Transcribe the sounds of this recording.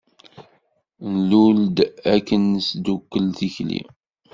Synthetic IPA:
nluld̪ækːənsd̪ukːəlθiçlḭ

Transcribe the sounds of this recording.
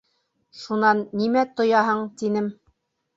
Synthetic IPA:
ʃunɑnːimæt̪ŏjɑɦɤɴt̪inɘm

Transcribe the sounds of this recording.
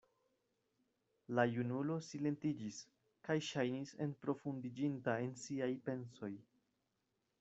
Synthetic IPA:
lajunulo̞sile̞ntid͡ʒis | kajʃajnise̞̰npɾo̞fundid͡ʒintae̞nsiajpe̞nso̞j

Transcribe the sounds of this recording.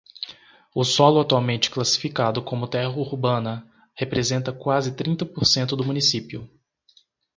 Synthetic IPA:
ʊsɔlʊat̪uawmẽnt͡ʃɪ̥klasi̥fikad̪ʊkõmʊt̪ɛɦɐuɾbɐ̃nɐ | hepɾezẽnt̪ɐkwazɪt̪ɾĩnt̪ɐpoɾsẽnt̪ʊd̪ʊmũnisipjʊ

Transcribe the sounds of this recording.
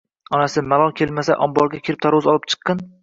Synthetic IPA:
ɒnasɪmalˠɒlˠkʲʰelmasa̰ʔɒmbɒɾˠɡʲakʲʰɪɾɪp̚t̪ʰaɾʊzɒlˠɪp̚t͡ʃʰɨ̥qːɨn

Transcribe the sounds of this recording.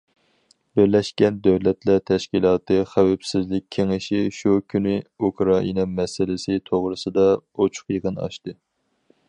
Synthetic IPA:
bɪɾlɛʃkʲɛnd̪øwlɛt̪lɛt̪ʰɛʃkʲilˠɑːt̪ɨχæwɛpsɪzlɪk̚ʲʰeŋɪʃiʃukʲynɪukɾɑʔinɑmɛsɪlɪsɪt̪ʰoʁɾɨsɨd̪ɑot͡ʃʰʊ̥qjəʁənɑ̰ʃt̪ɨ

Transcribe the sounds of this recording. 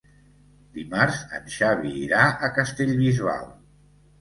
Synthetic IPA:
d̪̥imaɾzə̰nʃaβiːɾaʔəkəst̪eʎβizβa̰lˠ

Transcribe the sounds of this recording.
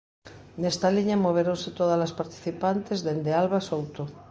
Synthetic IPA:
nest̪aliɲamoβ̞eɾonset̪oðazlaspaɾt̪i̥θipant̪ezðend̪ealβasowt̪o

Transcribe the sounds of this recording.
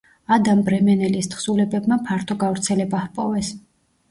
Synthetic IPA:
ad̪ambɾɛmɛnɛlist̪ʰχsulɛbɛbmapʰaɾt̪ʰɔɡavɾt̪sʰɛlɛbahpʼɔvɛs

